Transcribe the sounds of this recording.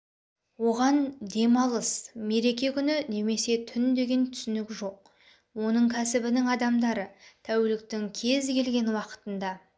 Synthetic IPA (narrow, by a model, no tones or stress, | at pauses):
wo̞ʁɑnd̪e̞mɑlˠəsme̞ɾe̞kʲe̞kʲʰʏnɪne̞me̞se̞t̪ʰʏnd̪e̞ɡʲe̞nt̪ʰʏ̥sʏnɪkʲʒo̞q̚ | wo̞nəɴkʲʰæsɪbɪnɪŋɑd̪ɑmd̪ɑɾət̪ʰæwelɪk̚t̪ɪŋkʲʰe̞zkʲʰe̞lɡʲe̞nwɑqə̥t̪ənd̪ɑ